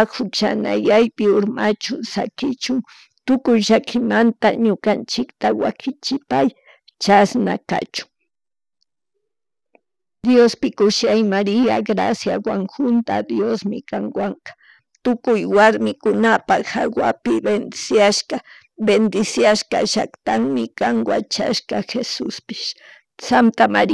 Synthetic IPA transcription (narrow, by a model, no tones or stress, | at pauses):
hʊt͡ʃa̰na̰jajpɪʊɾmat͡ʃʊsa̰kɪt͡ʃʊŋ | t̪ʊkʊjʒakʰɪmant̪aɲʊkant͡ʃɪkt̪awa̰kɪt͡ʃɪpaj | t͡ʃasna̰ka̰t͡ʃʊ̥ŋ | d̪jospɪkʊʃajmaɾɪaɡɾa̰sjawaŋxʊnt̪ad̪josmɪ̰kaŋwaŋkḁ | t̪ʊkʊjwaɾmɪkʊnapaxa̰wapɪbend̪ɪsjaʃka | bend̪ɪsjaʃka̰ʒa̰kt̪aŋmɪkaŋwa̰t͡ʃa̰ʃkɑxesʊspɪ̥ʃ | sant̪ama̰ɾ